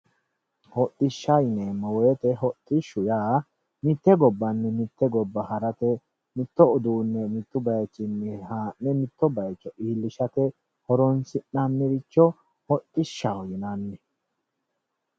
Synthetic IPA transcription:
hɔt̪ʼːɪʃːɐjneːmːɔwɔjɛt̪ɛɦɔt̪ʼːɪʃːʊjaː | mɪt̪ːɛɡɔbːɐnːɛmɪt̪ːɛɡɔbːɐhɐɾɐt̪ɛ | mɪt̪ːɔʊd̪uːnːɛmɪt̪ːʊbɐjt͡ʃːɪnːɛhaːnːɛmɪt̪ːɔbɐjt͡ʃːɔʔiːlːɪʃɐt̪ɛ | hɔɾɔnsɪnːanːɛɾɪt͡ʃːɔ | hɔt̪ʼːɪʃːajɪnanːɛ

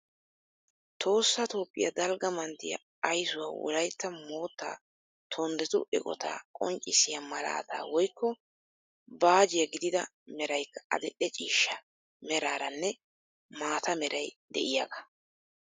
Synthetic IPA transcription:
t̪ʰo̞ːsːɐt̪o̞ːpʼːɪ̰jɐ̰d̪ɐlɡɐmɐnt̪ːɪjɐ̰ | ɐjsʊwa̰ːwɔ̰lɐjt̪ːɐmo̞ːt̪ːa̰ː | t̪ʰɔnd̪ɛt̪ʊ̰ʔɛ̰kʼɔ̰t̪ʰa̰ːkʼɔ̰ŋt͡ʃʼːɪsɪjamɐla̰ːt̪a̰ːwɔjkːɔ | baːd͡ʒɪjɐɡɪd̪ɪd̪ɐ | mɛɾɐjkːɐ̥ɐ̰d̪ɛɗɛt͡ʃʼiːʃːɐ | mɛɾaːɾɐnːɛ | maːt̪ɐmɛɾɐjd̪ɛ̰ʔɪjaːɡɐ̥

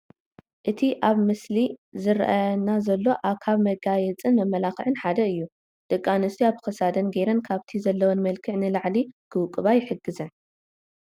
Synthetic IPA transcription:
ʔɨt̪ʰiʔaβmɨslizɨɾ̰ʔanazɐlːo̞ʔaβkʰaβmɐɡajɛt͡sʼɨnmɐmːɐlaxɨʕɨnħad̪ɐɨjːu | d̪̥ɨkʼːanɨst̪ʰiaβkɐsad̪ɐnɡeɾɐnkʰaβt̪ʰizɐlːɐwonmɐlkʰɨʕnɨlaʕliɡ̥ʰɨwkʼɨβajɪħɨɡːɨzɐn

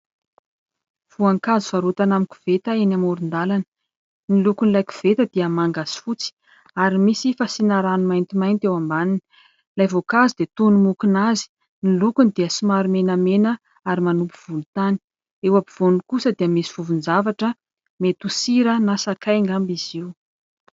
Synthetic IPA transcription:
v̥uaŋkazuvaɾut̪anamiku̥v̥et̪əenamoɾund̪alanə̥ | nilukunlajku̥v̥et̪əd̪iəmaŋɡaz̥i̥fut͡si̥ | aɾimisifasinaɾanumajnt̪imajnt̪ewambanin | lajvokazid̪et̪unumukunazi̥ | nilukunid̪iəsimaɾumenəmenə | aɾimanupuv̥ulut̪ani̥ | ewapiv̥onikusəd̪iəmisi̥v̥uvunzavaʈ͡ʂə | met̪usiɾənasakajŋɡambiz̥iw

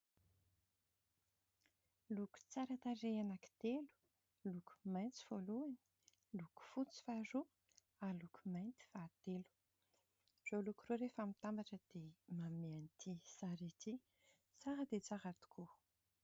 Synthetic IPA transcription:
luku̥t͡saɾat̪areanaki̥t̪elu̥ | luku̥majnt͡si̥v̥oluani̥ | luku̥fut͡si̥faɾu | aluku̥majnt̪i̥fat̪elu̥ | z̥olukuroɾefamit̪ambaʈ͡ʂəd̪̥emameanit̪ʰisaɾet̪i | t͡saɦəd̪et͡saɦat̪u̥kʰu

